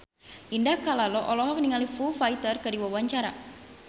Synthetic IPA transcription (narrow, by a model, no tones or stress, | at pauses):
ʔindahkalalɔʔɔlɔɦɔk̚niŋalifufait̪ərkədiwawaɲt͡ʃaɾa